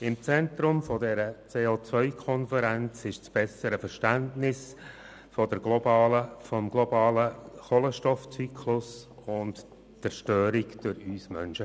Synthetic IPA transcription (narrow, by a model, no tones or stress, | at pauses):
ɪmt͡sɛnt̪ɾʊmfɔdɛɾət͡seːoːt͡svœʏkʰɔnfəɾɛnt͡sɪʃt͡sb̥ɛsəɾəfəɾʃtæntnɪs | fɔdəɾɡ̥lɔbɑːləfɔmɡlɔbɑːləχɔləʃtɔft͡sykʰlʊsʊnt | t͡sɛɾʃtøːɾɪkd̥øɾyːsmœ̰nʃə